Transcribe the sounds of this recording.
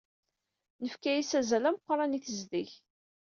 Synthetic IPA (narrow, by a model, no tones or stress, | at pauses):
nəfkæjisæzælæməqːɾˤɑniθəzðiç